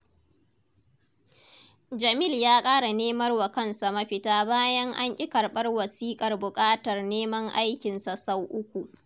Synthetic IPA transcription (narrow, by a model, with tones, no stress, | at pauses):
d͡ʒɐ˨mɪ˦ljaː˦kʼaː˦ɽa˨neː˦mɐ˦rwɐ˨kɐ˦nsa˨mɐ˦ɸɪ˦taː˦baː˦jɐ˦ŋʔa˦ŋʔʲʼɪ˦kɐ˨rɓɐ˦rwɐ˨siː˦kʼɐ˨rbʊ˨kʼaː˦tɐ˨rneː˦mɐ˦ŋʔa˦jkʲɪ˨nsa˨sa˦wʔʊ˦kʷu˨ʔ